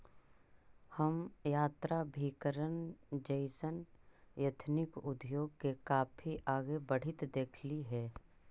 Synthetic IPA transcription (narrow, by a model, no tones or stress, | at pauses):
həmjaːt̪ɾabʱiːkəɾənd͡ʒəɪsənjət̪ʰnɪkʊd̪joːɡkekaːpʰiʔaːɡebəɽ̤ɪt̪d̪eːkʰliɦɛː